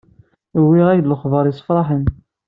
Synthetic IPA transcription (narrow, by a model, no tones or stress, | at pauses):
wːiʁæj̪ləχvəɾˤisˤə̥fɾˤɑħən